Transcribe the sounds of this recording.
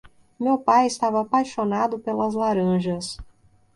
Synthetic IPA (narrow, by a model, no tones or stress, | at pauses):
mewpajɪst̪avɐaːpajʃonad̪ʊpelɐzlaɾɐ̃ʒɐs